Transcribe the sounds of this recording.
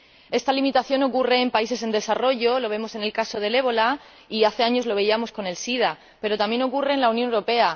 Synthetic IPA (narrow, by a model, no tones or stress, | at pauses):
e̞st̪alimit̪aθjo̞no̞kure̞ːmpais̬e̞s̬end̪e̞saro̞ʝo̞lo̞βe̞mo̞se̞ne̞lkaso̞ð̞e̞le̞β̞o̞la | iaθeaɲo̞zlo̞β̞e̞iamo̞sko̞ne̞lsið̞a | pe̞ɾo̞t̪amje̞no̞kure̞ːnlaunjonewɾo̞pe̞a